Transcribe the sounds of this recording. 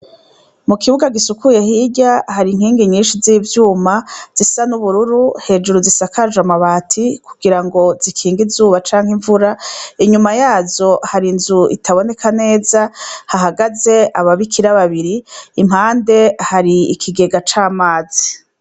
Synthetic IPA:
mukiβuɡaɡisukuje̞hiɟahaɾiŋ̥hiːŋɡiɲiːnʃiziːvjuːmaz̥isanuβuɾuɾuhe̞ːd͡ʒuɾuzisakaʒamaβaːtʰikʰuɡiɾaŋɡo̞zikʰiːŋɡizuːβat͡ʃaːŋhiɱvuɾaiɲumajaːzo̞haɾinzuḭtʰaβo̞ne̞kane̞ːzahaɦaɡaze̞aβaβikʰiɾaβaβiɾiːm̥haːnde̞haɾiikʰiɡe̞ɡat͡ʃaːmaːzi

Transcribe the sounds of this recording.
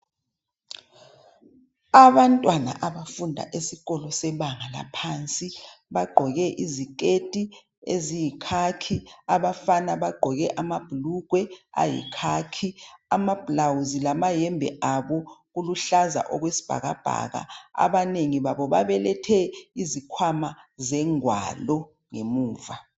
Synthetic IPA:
aβantʼwana̰ʔaɓafundʱa̰ʔesiɣɔlɔsɛɓaŋala̰pʰaːnt͡sʼiɓaɡ͡ǃʱɔɣɛʔizik̬ʼetʼi | ezijikʰakʰiaɓafanaβaɡ͡ǃʱɔɣɛʔamab̥ʱuluɡ̥ʱwɛa̰jḭkʰaːkʰiamab̥ʱlawuzilamajɛmbʱɛ̰ʔaɓɔɣuluɬaza̰ʔɔɣwesi̥b̥ʱa̰ɣab̥ʱa̰ɣa̰a̰βaneŋiβaβɔβaβɛlɛtʰɛizikʰwamazɛŋwa̰lɔ | ŋemuːva

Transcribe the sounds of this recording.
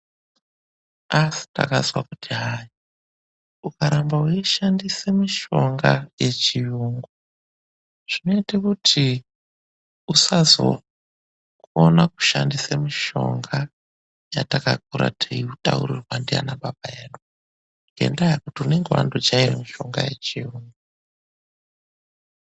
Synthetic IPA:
asi̥nta̰kazwakutʰiɦaji | ukaɾambauiʃandisemiʃo̞ŋɡajet͡ʃijuŋɡu | ʐ̥ino̞itakutʰi | usazo̰ | onaku̥ʃandisamiʃo̞̰ŋɡa | jatakak̚uɾa̰tʰeiutaṵrirwandia̰naɓabajeːnuu | ŋɡe̞̰ndajakutiune̞ŋɡewa̰ndot͡ʃairemiʃo̞ŋɡaje̞t͡ʃijuːŋɡa

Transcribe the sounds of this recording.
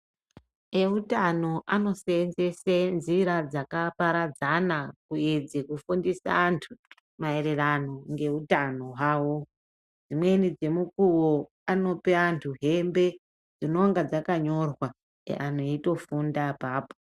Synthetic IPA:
e̞utano̞ʔano̞seːnze̞senziɾad͡zakapaɾad͡zanakuid͡zikufundisa̰ːntʰu | mae̞re̞rano̞ŋɡe̞utano̞waːwo̞ | d͡zimwe̞nid͡ze̞mukuwo | ano̞peantʰuɦe̞mbe̞ | d͡zino̞ŋɡad͡zakaɲo̞rwa̰ | anoito̞fundapaːpo

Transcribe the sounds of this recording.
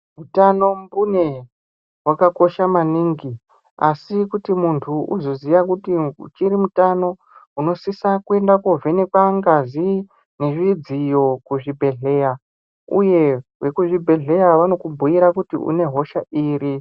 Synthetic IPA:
mutano̞mbune̞ | wakako̞ʃamaniŋɡi | asikutimuntʰuʔṵzo̞zijakutit͡ʃiɾimutano̞ | uno̞sisakue̞ndakovʱe̞ne̞kwaŋɡazi | neʐid͡zijo̞kuʐibʱe̞ɮe̞ja | ṵje̞we̞kuʐibʱe̞ɮe̞jaʋano̞kubʱuiɾakutḭṵne̞ɦo̞ʃaʔiːɾi

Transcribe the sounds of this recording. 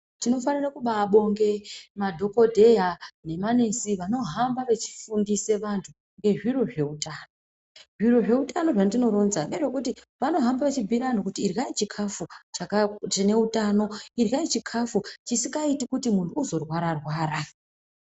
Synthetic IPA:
tino̞fanirakuɓaɓo̞ŋɡe̞madʱo̞ko̞dʱe̞jane̞manesiʋano̞ɦambaʋe̞t͡ʃi̥fundise̞ʋantʰu | ŋɡe̞ʐiɾo̞ʐe̞utaːno̞ | ʐiro̞ʐe̞utano̞ʐandino̞ɾo̞nzaneʐekuti | ʋano̞ɦambaʋet͡ʃibʱiɾano̞kutiːrɡait͡ʃikʰafut͡ʃakat͡ʃine̞utano̞irait͡ʃikʰafut͡ʃisiŋɡaitikutimuntʰuːzo̞rwaɾarwaːɾa

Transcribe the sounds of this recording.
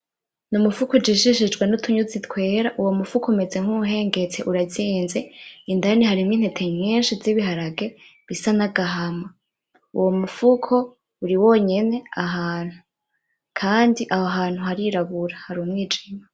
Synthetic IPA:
numufukod͡ʒiʃiʃ̬id͡ʒɡwenutʰuɲuzitwe̞ːɾaʔuwo̞mufukʰoume̞ze̞ŋ̥huɦe̞ːŋɡe̞t͡se̞ʔuɾaziːnzeindanihaɾimŋiːn̥hetʰe̞mɲiːnʃiziβiɦaɾaɡe̞ | βisanaɡaɦama | ṵwo̞mufukʰo̞ | uɾiwo̞ːɲe̞ne̞aɦaːn̥hu | kʰaːndiʔahoɦaːn̥huhaɾiɾaβuɾahaɾuːmŋiːd͡ʒima

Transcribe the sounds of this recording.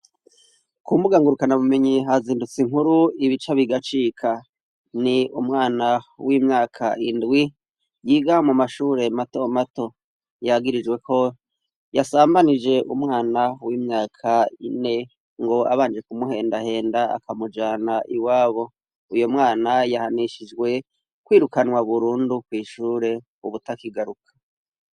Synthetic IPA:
kumuɡaŋɡuɾukanamumiɲiɦaziːndut͡siŋhuɾuiβit͡ʃaβiɡat͡ʃiːkʰa | niumŋaːnawimɲaːkʰaʔindɡwi | jiɡamumaʃuːɾe̞mato̞mato̞ | jaɡiɾid͡ʒwe̞ko̞ | jasaːmbanid͡ʒe̞ʔumŋaːnawiːmɲaːkʰaḭne̞ | ŋɡo̞a̰βaːnd͡ʒe̞kumuhe̞ːndahe̞ːndaa̰kamud͡ʒaːnaʔiwaːβo̞ | ujomŋaːnajahaniʃid͡ʒwe̞ | kwiːɾukanwaβuɾuːndukwiːʃuːɾe̞ | uβutakiɡaɾukʰḁ

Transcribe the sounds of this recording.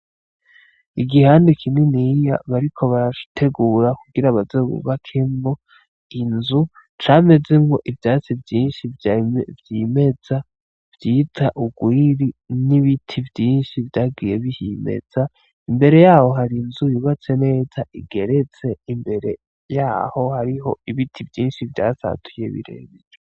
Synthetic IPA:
iɡihaːndikʰiminija̰βaɾikʰo̞βaɾatʰe̞ɡuɾakuɡiɾaβazeɡṵβakʰemo | inzu | t͡ʃaːme̞ze̞mo̞ʔivjaːt͡sivjiːnʃivjvjime̞d͡za | v̥jiːtʰaʔuɡ̥wiːɾiniβitʰivjiːnʃivjaːɡije̞βihimḛz̥a | imbe̞ɾe̞jaːho̞ɦaɾinzujuβat͡se̞ne̞ːz̥aʔiɡe̞ɾe̞t͡se̞imbe̞ɾe̞̰ | jaːho̞haɾiɦo̞̰iβitʰivjiːnʃivja̰ːsa̰tʰujeβḭɾḛβid͡ʒe

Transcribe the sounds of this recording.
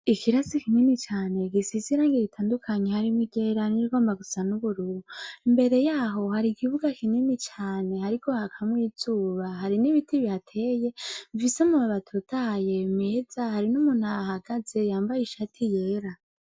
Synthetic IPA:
ikʰiɾasikininit͡ʃaːne̞ɡisiziɾaːŋɡeɡitʰaːndukʰaɲehaɾimiɡeɾahaɾiniɡo̞ːmbaɡusanuβuɾuɾuimbe̞ɾe̞jaːɦo̞haɾikiβuɡakʰininit͡ʃaːne̞haɾikʰo̞hakʰamwiːz̥uːβaɦaɾiniβitiβiatʰe̞je̞ɱvisemuβaβatʰutʰaje̞meːzahaɾinumun̥haːhaɡ̥az̥e̞jaːmbajiʃatʰije̞ːɾa

